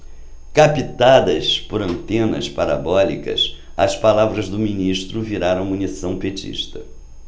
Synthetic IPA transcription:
kapit̪ad̪ɐspʊɾɐ̃nt̪ẽnɐ̰spaɾa̰bɔlḭkɐ̰s | ɐspalavɾɐzd̪ʊminiʃt̪ɾʊviɾaɾɐ̃w̃munisɐ̃w̃pet͡ʃḭʃt̪ɐ

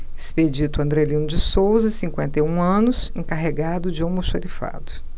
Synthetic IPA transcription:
esped͡ʒit̪ʊɐ̃nd̪ɾelĩnʊd͡ʒɪsowzɐsĩkwẽnt̪ejũɐ̃nʊsẽkaɦeɡad̪ʊd͡ʒɪõmoʃoɾifa̰d̪ʊ

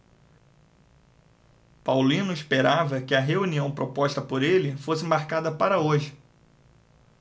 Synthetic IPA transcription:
pawlĩnʊispeɾavɐkɪɐɦeuniɐ̃w̃pɾopɔʃt̪ɐpoɾelɪfosɪmaɾkad̪ɐpaɾɐoʒɪ

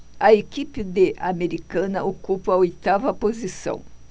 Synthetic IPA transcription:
ɐekipɪd̪eʔameɾikɐ̃nɐokupɐɐojt̪avɐpozisɐ̰̃w̃

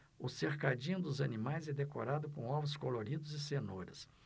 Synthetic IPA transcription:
ʊseɾkad͡ʒĩɲʊd̪ʊzɐnimajzɛd̪ekoɾad̪ʊkõɔvʊskoloɾid̪ʊzɪsenoɾɐ̰s

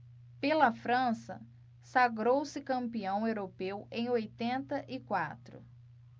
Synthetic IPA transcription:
pelɐfɾɐ̃sɐ̰ | saɡɾowsɪkɐ̃mpiɐ̃w̃ewɾopewẽj̃ojt̪ẽnt̪ɐʔɪkwa̰t̪ɾʊ̰

